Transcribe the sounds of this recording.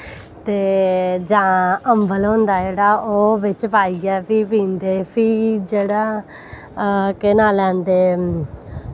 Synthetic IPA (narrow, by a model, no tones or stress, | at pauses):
t̪eːd͡ʒãːəmbəlɦõːnd̪aːd͡ʒeːɽaːoːʋɪt͡ʃpaːiːɡɛːpʰiːpĩːnd̪eːpʰiːd͡ʒeːɽaː | kɪnãːlɛ̃ːnd̪eː